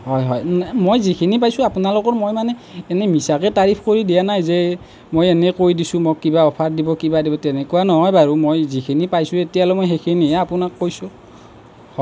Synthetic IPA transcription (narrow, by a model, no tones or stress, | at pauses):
ɦɔjɦɔjmojzikʰinip̬ajsʊ̃apunalokɔɹmojmanɛɛnɛmisakɛtaɹipʰkoɹidijanajzɛ | mojɛnɛkojdisʊ̃mokːibaɔpʰatdibɔkibadibɔtɛnɛkuwanɔɦɔjbaɹumojzikʰinipajsʊ̃etijalɔmojxekʰiniɛapunakːojsʊ | hɔ